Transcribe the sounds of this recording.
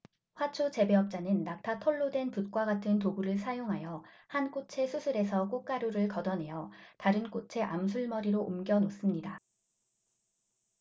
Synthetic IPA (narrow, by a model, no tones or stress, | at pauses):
ɸwat͡ɕʰot͡ɕe̞be̞ʌp̚t͡ɕ͈anɯnːak̚tʰatʰʌɭːodwe̞nput̚k͈waɡatʰɯnt̬oɡuɾɯɭsʰajoŋɦajʌ | hank͈ot͡ɕʰe̞sʰusʰɯɾe̞sʰʌk͈ok͈aɾjoɾɯɭkʌdʌnɦe̞jʌtaɾɯnk͈ot͡ɕʰe̞ʔamsʰuɭmʌɾiɾoʔomɡjʌnos͈ɯmɲida